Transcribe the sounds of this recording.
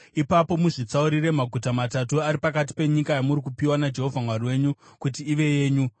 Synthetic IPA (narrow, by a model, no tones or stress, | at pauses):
ipapo̞muʐit͡sauɾire̞maɡʱutamatatuaɾipakat̬i̥pe̞ɲikajamurikupiwanad͡ʒe̞ɦo̞vʱamwarwe̞ɲukut̬iːʋe̞je̞ːɲu